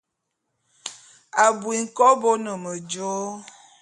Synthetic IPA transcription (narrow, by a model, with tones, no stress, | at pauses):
a˨bwi˨ŋ̩˨kɔ˦bo˦nə˨mə˨d͡ʒo˦